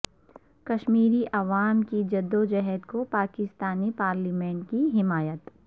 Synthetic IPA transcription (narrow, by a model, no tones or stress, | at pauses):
kɐʃmiːɾiʔɐʋaːmkid͡ʒɐd̪ːod͡ʒɛɦɛd̪kopaːkɪst̪aːnipaːɾlimɛ̃ːɳʈ̚kiɦɪmaːjət̪